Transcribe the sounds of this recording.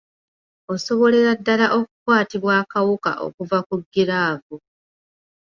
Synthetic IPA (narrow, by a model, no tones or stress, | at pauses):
o̞so̞βo̞le̞ɾadːalaʔo̞kukwaːtiβwaːkawuka̰ʔo̞̰kuvakuɡːiɾaːvu